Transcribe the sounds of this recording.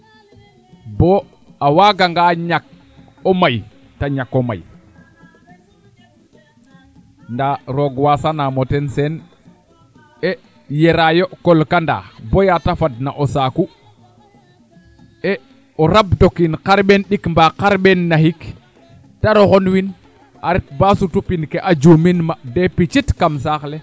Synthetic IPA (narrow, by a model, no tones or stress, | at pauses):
bo | awaɡaŋɡaɲak̚ | omaj | taɲakoma̰j | ndaɾoɡwasanamotensen | e | jeɾajokolkanda̰ːbojatafadnaʔosaku | e | oɾabdokinqaɾɓenɗikmbaqaɾɓenːahik | taɾoxonwin | aɾit̚basutupinkeʔad͡ʒuminmadepit͡ʃitkamsaːxle